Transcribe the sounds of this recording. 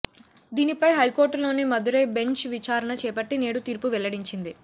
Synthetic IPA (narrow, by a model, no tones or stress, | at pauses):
d̪iːnipɐjɦɐjkoːɾʈlo̞ːnimɐd̪uɾe̞ːbe̞ɲt͡ʃʋit͡ʃaːɾɐɳɐt͡ʃɛːpɐʈːineːɽut̪iːɾpuʋɛlːɐɽiɲt͡ʃind̪i